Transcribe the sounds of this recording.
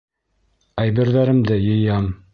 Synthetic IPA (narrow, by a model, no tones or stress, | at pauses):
æjβɘ̆ɾðæɾɘ̆md̪ɘjɤ̆jɑm